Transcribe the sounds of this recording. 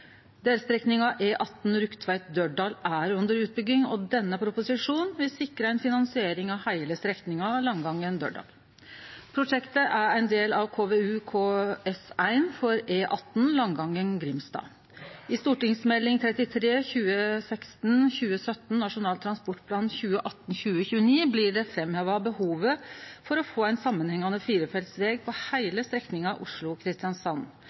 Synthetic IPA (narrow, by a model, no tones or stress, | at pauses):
d̪eːlst̪ɾɛknɪŋɑʔeːʔɑt̪ːn̩ɾʉkt̪ʰʋæɪt̪̚d̪œɖɑːlæɾʉnd̪əɾʉːt̪̚bʏɡɪŋɔd̪ɛnːəpʰɾʊpʊsɪʂuːnʋɪlsɪkɾəɛɪnfɪnɑnsɪeːɾɪŋɑhæɪləst̪ɾɛknɪŋɑlɑŋɡɑŋːənd̪ø̰ːɖɑ̰ːl | pʰɾʊʂɛkt̪əʔæɾæɪnd̪eːlɑʋkʰoːʋeːʉkʰoːɛsæɪnfɔɾeːʔɑt̪ːn̩lɑŋɡɑŋːənɡɾɪmst̪ɑ̰ː | ɪst̪uːʈɪŋsmɛlːɪŋt̪ʰɾɛt̪ɪt̪ʰɾeːçʉːəsɛkst̪n̩çʉːəsœt̪nnɑʂʊnɑːlt̪ʰɾɑnspɔʈːpʰlɑːnçʉːəʔɑt̪ːn̩çʉːəçʉːəniːblɪɖɛfɾɛmheːʋɑbəhuːʋəfɔɾɔfoːæɪnsɑmːənhɛŋːɑnəfiːɾəfɛlt̪sʋɛːɡ̚pʰɔhæɪləst̪ɾɛknɪŋɑʔʊʂɭʊkʰɾɪst̪ɪɑnsɑn